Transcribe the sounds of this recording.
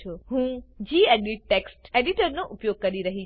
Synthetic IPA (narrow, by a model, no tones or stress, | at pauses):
uɦũd͡ʒieɖiʈʈːeksʈeɖiʈəɾnoʔupjoɡ̚kəɾiɾəɦi